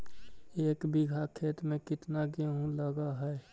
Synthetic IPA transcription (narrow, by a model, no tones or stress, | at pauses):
eːkbiɡʱakʰeːt̪mẽkɪt̪naɡeɦũləɡaɦɛe